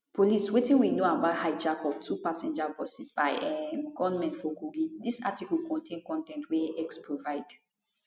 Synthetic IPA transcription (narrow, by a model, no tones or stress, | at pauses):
poliswetĩnwinoabahaɪd͡ʒakɔftʰupasɛ̃nd͡ʒabɔsisbaɪʔɛmɡɔvnmɛ̃ntfɔkuɡidisa̰tikɔlkɔ̃ntʰẽnkɔ̃ntɛ̃ntweɛkspʰɹovaɪd̥